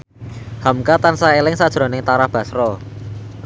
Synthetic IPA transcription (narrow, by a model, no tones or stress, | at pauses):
hamkat̪ansaelɪŋsad̥ʒ̥ɾɔ̤nɪŋt̪aɾahb̥a̤sɾɔ